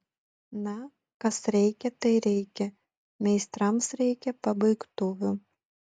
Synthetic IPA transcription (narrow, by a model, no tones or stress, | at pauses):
nɐ | kɐsɾʲɛɪkʲɛt̪ɐɪɾʲɛɪkʲɛ | mʲɛɪst̪ɾɐmsɾʲɛɪkʲɛpɐbɐɪkt̪oːʋʲʊ